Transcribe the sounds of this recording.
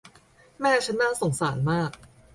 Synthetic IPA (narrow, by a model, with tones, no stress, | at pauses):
mɛː˥˩t͡ɕʰa˦˥nːaː˥˩so˨˩ŋsaː˩˦nmaː˥˩k̚